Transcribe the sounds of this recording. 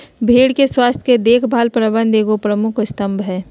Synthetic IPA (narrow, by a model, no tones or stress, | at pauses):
bʱeːɽkeswaːst̪ʰked̪eːkʰbʱaːlpɾəbə̃nd̪eːɡopɾəmʊkʰst̪əmbʱɦɛː